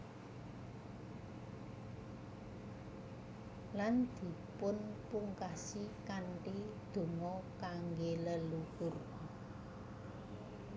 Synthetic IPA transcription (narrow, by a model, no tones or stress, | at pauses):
land̪̥i̤pʊnpuŋkasikaɳʈid̪̥o̤ŋɔkaŋɡeləluhur